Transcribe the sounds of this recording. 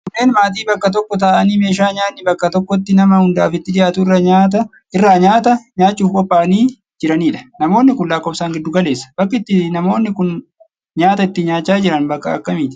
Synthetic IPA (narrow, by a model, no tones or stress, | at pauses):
kʊnːe̞ːnmaːt̪̬iːbɐkːɐt̪̬ɔkːɔt̪aːʔɐniːme̞ːʃaːɲaːnːɪbɐkːɐt̪ɔkːɔt̪ːɪnɐmɐhʊnd̪aːfɪt̪ːɪᶑ̪ɪjaːt̪ʊɪrːɐɲaːt̪̬ɐ | ʔɪrːaːɲaːt̪ɐɲaːt͡ʃːuːfkʼɔpːaːniː | d͡ʒɪɾɐniːᶑɐ̥nɐmo̞ːnːɪkʊnlaːkːɔbsaːŋɡɪd̪ːʊɡɐle̞ːsːɐ̥b̥ɐkːɪt̪ːɪnɐmo̞ːnːɪkʊn | ɲaːt̪ɐɪt̪ːɪɲaːt͡ʃːaːd͡ʒɪɾɐnbɐkːɐɐkːɐmiːt̪ɪ̥